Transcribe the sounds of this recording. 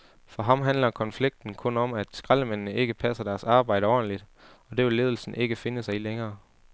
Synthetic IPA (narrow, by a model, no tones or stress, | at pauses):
fɒ̽ɦɑ̈mɦænlɐkʰɒ̽nfliɡ̥̚d̥n̩kʰɔ̽nɒ̽mæd̥sɡ̥ʁaləmenːəe̝ɡ̥əpʰæsɐd̥æɐsɑ̈ːb̥ɑ̈ɪ̰ɾəɒ̰ːdn̩lid̥ | ɒ̽d̥e̝ʋe̝lːe̝ːð̞ˠl̩sn̩ʔe̝ɡ̥əfe̝nəsɑ̈ɪileŋɐː